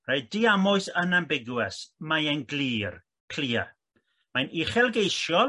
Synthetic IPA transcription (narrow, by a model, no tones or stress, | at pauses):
raɨdiamʊɨsənambɪɡwɛsmajɛnɡliːr | pʰl̥iːa̰ | majnʔiχɛlˠɡejʃjɔ